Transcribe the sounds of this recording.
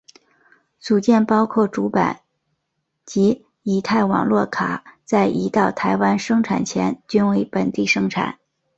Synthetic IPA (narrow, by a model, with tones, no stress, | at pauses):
t͡su˨˩t͡ɕjɛ˥˩npɑ˥ʊkʰwɔ˥˩ʈ͡ʂu˧˥pa̰˨˩˦n | t͡ɕi˧˥ | i˨˥˩t̪ʰa˥˩ɪwɑ̰˨˩ŋlwɔ˥˩kʰa̰˨˩t͡sa˥˩ɪʔi˧˥t̪ɑ˥˩ʊt̪ʰa˧˥ɪwa˥nʂɤ˥ŋʈ͡ʂʰa̰˨˩nt͡ɕʰjɛ˧˥nt͡ɕy˥nwe˧˥ɪpə˨˩nt̪i˥˩ʂɤ˥ŋʈ͡ʂʰa̰˨˩˦n